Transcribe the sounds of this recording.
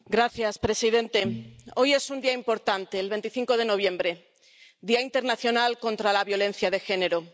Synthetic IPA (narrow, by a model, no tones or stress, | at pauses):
ɡɾaθjaspɾe̞sið̞e̞nt̪e̞o̞je̞sund̪iaimpo̞ɾt̪ant̪e̞ːlβe̞nt̪iθiŋko̞ð̞e̞no̞β̞jẽ̞mbɾe̞ | d̪iaint̪e̞ɾnaθjo̞nalko̞nt̪ɾalaβjo̞lẽ̞n̟θjað̞e̞xe̞ne̞ɾo